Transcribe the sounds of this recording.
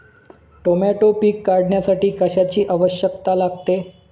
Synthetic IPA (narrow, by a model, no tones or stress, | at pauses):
ʈomaʈopikːaɾɽɳjasaʈiːkəɕat͡ɕiːʔaʋəɕjəkt̪alaɡt̪e